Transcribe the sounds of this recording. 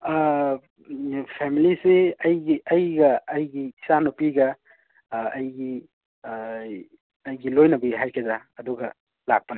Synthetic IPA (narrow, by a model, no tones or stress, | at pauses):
pʰemiliseɐjɡiɐjɡɐːjɡii̥sanupiɡɐː | jɡi | ɐjɡilojnɐbiɦajkʰezaɐduɡɐ | la̰k̚pɐna